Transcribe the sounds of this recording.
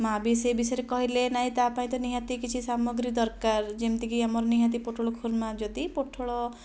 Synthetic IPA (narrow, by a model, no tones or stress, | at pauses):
mabisebisɔɾekɔɦilenaɦĩt̪apaĩt̪ɔniɦãt̪ikit͡ʃʰisamɔɡɾid̪ɔɾkaɾd͡ʒemt̪ikiamɔɾɔniɦãt̪̬ipoʈʰoɭɔkʰuɾmad͡ʒɔd̪ipoʈʰoɭɔ